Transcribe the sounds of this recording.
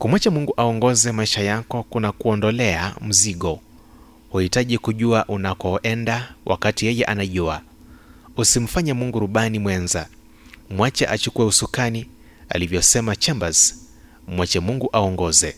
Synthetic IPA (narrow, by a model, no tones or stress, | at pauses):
kumwat͡ʃɛmuŋɡuʔaɔŋɡɔzɛmaiʃajakɔkunakuɔndɔlɛam̩ziɠɔ | huhitaʄikuʄuaʔunakɔʔɛndawʔa̰katijɛjɛʔanaʄua | usim̩faɲamuŋɡuɾuɓanimwɛnza | mwat͡ʃɛ̰ʔat͡ʃukuwɛusukani | a̰livjɔsɛmat͡ʃɛmbaz | mwat͡ʃɛmuŋɡuʔaɔŋɡɔzɛ